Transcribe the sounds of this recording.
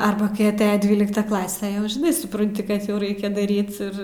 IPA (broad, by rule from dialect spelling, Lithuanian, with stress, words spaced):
ˈɐrbɐ kɐɪ ɐˈtʲæːjɛ ˈdʲʋʲiːlʲɪktɐ ˈklˠɑːsʲɛ jɛʊ ʒʲɪˈnɐɪ sʊprɐnʲˈtʲɪ ˈkɐt jɛʊ ˈrɐɪkʲɛ dɐˈrʲiːt ˈɪr